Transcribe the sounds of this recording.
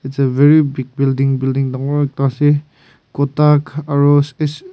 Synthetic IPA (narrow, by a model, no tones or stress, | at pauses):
itseveɾibiɡ̚bildiŋbildiŋdaŋɔɾek̚tase | kɔtakaɾoses